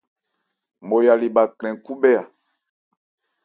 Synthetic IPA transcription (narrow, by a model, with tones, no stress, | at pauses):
mo˨ja˨li˨ba˨kɾɛ̃˨ŋku˦bɛ˦a˨